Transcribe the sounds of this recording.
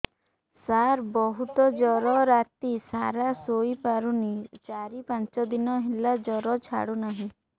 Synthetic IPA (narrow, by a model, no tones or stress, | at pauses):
saɾbɔɦut̪ɔd͡ʒɔɾɔɾat̪isa̰ɾasoipaɾunit͡ʃaɾipãnt͡ʃɔd̪inɔɦilad͡ʒɔɾɔt͡ʃʰa̰ɽunaɦĩ